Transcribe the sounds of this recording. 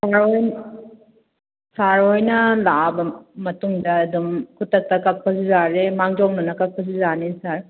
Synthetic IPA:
saɾojn | saɾojnɐlabɐmɐtuŋdɐːdumkʰutːɐk̚tɐkɐk̚pʰɐsizaɾemaŋd͡ʒɔŋnɐnɐkɐk̚pʰɐs̬izanisaɾ

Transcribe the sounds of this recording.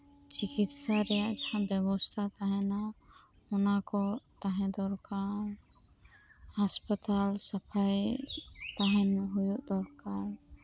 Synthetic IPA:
t͡ʃikit̪saɾɛjaʔd͡ʒahãbɛbɔst̪ʰat̪aɦɛ̃na | ɔnakɔt̪aɦɛ̃d̪ɔɾkaɾ | haspat̪alsapʰaj | t̪aɦɛ̃nɦujuʔd̪ɔɾkaɾ

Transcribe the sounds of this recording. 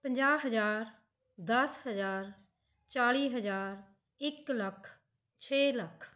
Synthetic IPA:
pə̃nd͡ʒaːɦəd͡ʒaːɾ | d̪əsɦəd͡ʒaːɾ | t͡ʃaːliːɦəd͡ʒaːɾ | ɪklɐkʰ | t͡ʃʰeːlɐkʰ

